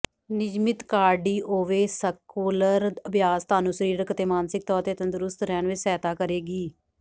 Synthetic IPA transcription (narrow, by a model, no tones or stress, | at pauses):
nɪd͡ʒmɪt̪kaːɖiːʔoːʋeːsəkoːləɾəbjaːst̪aːnũːsəɾiːɾkət̪eːmaːnsɪk̚t̪ɔːɾt̪eːt̪ə̃nd̪ʊɾʊst̪ɾɛːnʋɪt͡ʃsɛːt̪aːkəɾeːɡiː